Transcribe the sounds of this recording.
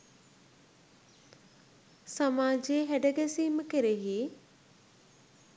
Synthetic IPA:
sɐmaːd͡ʑeɦɛɖəɡesiːmkeɾeɦiː

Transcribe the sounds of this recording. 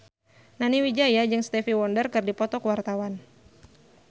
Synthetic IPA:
naniwid͡ʒajad͡ʒɨŋst̪ɛfiwɔndərkɨrdipɔt̪ɔkəwart̪awan

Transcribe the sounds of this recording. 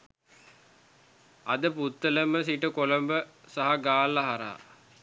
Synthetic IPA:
ɐd̪əput̪ːələməsiʈəkolɐmbəsaɦaɡaːlːaɦaɾa̰ː

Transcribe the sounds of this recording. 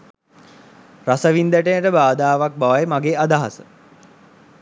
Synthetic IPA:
ɾasəʋind̪əʈejəʈəbaːd̪aːʋak̚baʋajmaɡeːad̪aɦa̰sə

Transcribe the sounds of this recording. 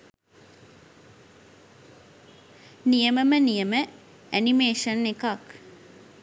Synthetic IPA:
nijəməmənijəmə | ænimeːʃənːekak

